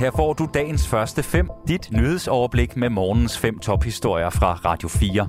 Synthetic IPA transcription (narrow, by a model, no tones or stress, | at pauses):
hæɐ̰fɒ̰ːd̥ud̥ɛ̰ːn̩sfɶɐsd̥əfem̰d̥id̥nyð̩ˠsɒʊɐb̥le̝ɡ̥memɒːnn̩sfem̰t͡sʰɒ̽b̥hisd̥o̝ɐ̰jɐfʁɑ̈ʁɑ̈d̥jo̝fiːɐ